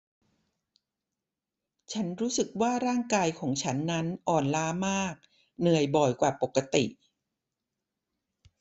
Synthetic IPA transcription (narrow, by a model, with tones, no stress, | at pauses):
t͡ɕʰa˦˥nɾuː˦˥sɯ˨˩k̚waː˥˩ɾaː˥˩ŋkaː˧jkʰɔː˩˦ŋt͡ɕʰa˦˥nːa˦˥nʔɔː˨˩nlaː˦˥maː˥˩k̚ | nɯ˨˩əjbɔ˨˩jkwaː˨˩po˨˩kːa˧t̪i˨˩ʔ